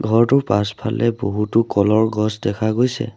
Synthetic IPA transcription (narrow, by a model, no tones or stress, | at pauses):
ɡʱɔɹtʊpaspʰa̰lɛboɦutʊkɔlɔɹɡɔsdɛkʰaɡojsɛ̰